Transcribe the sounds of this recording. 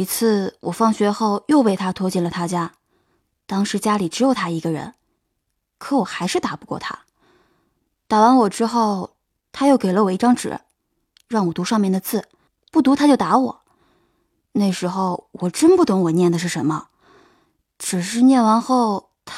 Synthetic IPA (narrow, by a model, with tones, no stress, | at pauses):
i˧˥t͡sʰɹ̩˥˩wʔɔ˨˩fɑ˥˩ŋɕɥɛ˧˥xo˥˧ʊjo˥˧ʊpe˥˩ɪt̪ʰa˥t̪ʰwɔ˥t͡ɕi˥˩nlə˩t̪ʰa˥t͡ɕja˥ | t̪ɑ˥ŋʂɻ̩˧˥t͡ɕja˥li˨˩ʈ͡ʂɻ̩˧˥jo˨˩ʊt̪ʰa˥i˧˥ɡə˧ɻə̰˧˥n | kʰɤ˧˥wɔ˨˩xa˧˥ɪʂɻ̩˥˩t̪a˨˩˥pu˧˥kwɔ̰˥˩t̪ʰa̰˥ | t̪a˨˩wa˧˥nwɔ˨˩ʈ͡ʂɻ̩˥xo˥˩ʊ | t̪ʰa˥jo˥˩ʊke˨˩ɪlə˧˦wɔ˨˩i˥˩ʈ͡ʂɑ˥ŋʈ͡ʂɻ̩̰˨˩˦ | ɻɑ˥˩ŋwɔ˨˩t̪u˧˥ʂɑ˥˧ŋmjɛ˥˩nd̪ə˩t͡sɹ̩˥˩ | pu˥˩t̪u˧˥t̪ʰa˥t͡ɕjo˥˩ʊt̪a˧˥wɔ̰˨˩˦ | ne˥˩ɪʂɻ̩˧˥xo˥˧ʊwɔ˨˩ʈ͡ʂə˥npu˥˩t̪ɤ˧˥ŋwɔ˨˩njɛ˥˩nd̪ə˩ʂ̬ɻ̩˥˩ʂə˧˥nmə˧ | ʈ͡ʂɻ̩˨˩ʂɻ̩˥˧njɛ˥˩nwa˧˥nxo˥˩ʊ | t̪ʰ